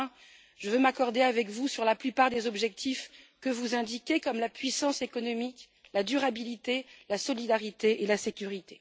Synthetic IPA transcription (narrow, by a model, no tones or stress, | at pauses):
ʒ̥əvømakɔʁd̪eavɛkvusyʁlaplypaʁd̪ezɔbʒɛk̚t̪ʰif | kəvuzɛ̃d̪ikʲekɔmlapɥisɑ̃sekɔnɔmik | lad̪yʁabilit̪elasɔlid̪aʁit̪eʔelasekʲyʁit̪e̥